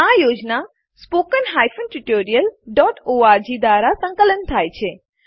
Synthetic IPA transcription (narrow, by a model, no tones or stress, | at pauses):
ajod͡ʒna | spokənɦajfənʈiʈoɾijəlɖɔʈoaɾd͡ʒid̪ʋaɾasə̃ŋkələnt̪ʰajt͡ʃʰe